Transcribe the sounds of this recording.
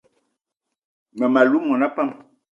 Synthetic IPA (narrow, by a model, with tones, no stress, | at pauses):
mɛ˨ma˨lu˦mɔ˨na˦pa˦˨m